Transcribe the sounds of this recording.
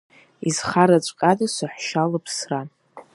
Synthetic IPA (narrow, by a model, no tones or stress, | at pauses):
izχaɾat͡ʃʷʼkʼadasʷaħʷʃalɨpʰsra